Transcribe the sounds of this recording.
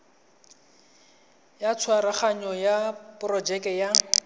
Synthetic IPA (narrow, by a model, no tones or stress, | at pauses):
jat͡sʰwaɾaχaɲɔjapʊrɔd͡ʒɛkɛja